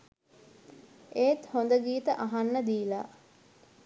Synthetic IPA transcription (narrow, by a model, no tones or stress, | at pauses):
eːt̪hond̪əɡiːt̪əʔaɦanːəd̪iːla